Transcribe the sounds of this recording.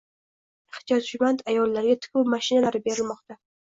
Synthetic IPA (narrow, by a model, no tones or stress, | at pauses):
ɪχt̪ʰjɒt̪ʊmant̪ʰajɒlːaɾɡʲat̪ʰɪ̥kʲʊwmaʃɪnalaɾɪbe̞ɾɪlmɒqt̪a